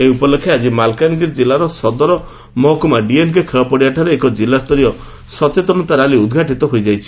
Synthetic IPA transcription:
eupɔlekʰːead͡ʒimalkanɡiɾd͡ʒilaɾɔsɔd̪ɔɾɔ | mɔɦɔkumaɖienkekʰewapɔɽiaʈʰaɾeːkɔd͡ʒilast̪ɔɾijɔ | sɔt͡ʃet̪ɔnɔt̪aɾaliud̪ɡʱaʈit̪ɔɦojd͡ʒajt͡ʃʰi̥

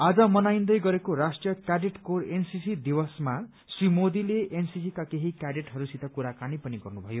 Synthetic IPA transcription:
ad͡zʌmʌnajnd̪ʌjɡʌɾekorasʈjʌkjaɖeʈkorensisid̪ibʌsma | srimod̪ileensisikakeɦikjaɖeʈɦʌɾusit̪ʌkuɾakanipʌniɡʌrnubʱʌjo

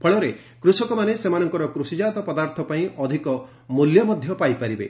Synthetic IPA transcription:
pʰɔɭɔɾe | kɾusɔkɔmanesemanɔŋkɔɾɔkɾusid͡ʒad̪ɔpɔd̪aɾt̪ʰɔpaĩʔɔd̪ʱikɔ | muljɔmɔd̪ʱjɔpajpaɾibḛ

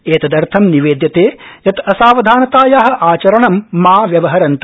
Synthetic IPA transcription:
eːt̪ɐd̪ɐɾt̪ʰɐmniʋeːd̪jɐt̪eːjɐt̪ɐsaːʋɐd̪ʱaːnɐt̪aːjaːɦɐ̆ʔaːt͡ʃɐɾɐɳɐmːaːʋjɐʋɐɦɐɾɐnt̪u

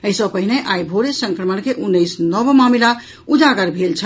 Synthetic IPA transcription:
əɦisə̃pəɦineʔajbʱoɾesəŋkɾəmənkeʔunːəjsnəbmamila | ud͡ʒaɡəɾbʱelt͡ʃʰə

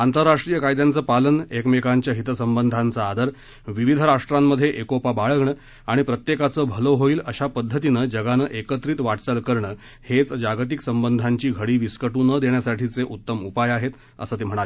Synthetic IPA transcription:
ant̪əɾːaʂʈɾijəkajd̪jant͡səːpalənekmekaɲt͡ɕjaɦit̪əsəmbənd̪ʱant͡səːd̪ʱəɾ | ʋiʋid̪ʱəɾaʂʈɾamːəd̪ʱːjeʔekopabaɭəɡɳə | aɽ̃ipɾət̪jekat͡səːbʱəloɦoiːləɕapəd̪ʱːət̪inəːd͡ʑəɡanəːʔekət̪ɾiːt̪ʋaʈt͡səlkəɾɳəː | het͡sd͡ʑaɡt̪iksəmbənd̪ʱaɲt͡ɕiːɡʱəɽiːʋiskəʈuːnəd̪eɳjasaʈʰit͡seʔut̪ːəmupajaɦet̪ | ə̰səːt̪em̤əɽ̃ae

